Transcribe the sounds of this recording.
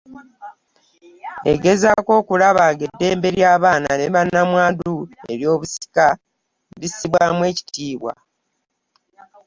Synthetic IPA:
ḛɡe̞zako̞ːkulaβaɡe̞dːe̞ːmbe̞ɾjaːβaːnaneβanːamwaːdue̞̰ɾjo̞ːβusi̥ka | βisiβwamwe̞ːci̥tʰiːβwa̰

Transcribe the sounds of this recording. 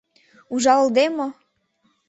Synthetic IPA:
uʒɑld̪emo

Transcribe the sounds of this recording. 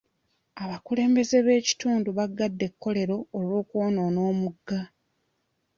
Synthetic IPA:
aβakule̞ːmbe̞ze̞βe̞ːci̥tuːnduβaɡːadːe̞kːo̞le̞ɾo̞ːlwo̞ːkwoːno̞ːno̞ːmuɡːa

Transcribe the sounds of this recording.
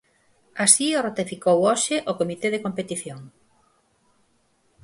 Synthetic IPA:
asiorot̪ifikowoʃɪʔokomit̪eðekompet̪iθjoŋ

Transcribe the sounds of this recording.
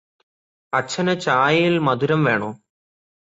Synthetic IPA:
ɐt͡ɕʰːɐnɐt͡ɕaːjjilmɐd̪uɾɐmʋe̞ːɳoː

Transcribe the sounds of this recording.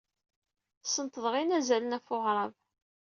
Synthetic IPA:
sənt̪əðˤʁinæzælənæfʊʁɾˤɑv

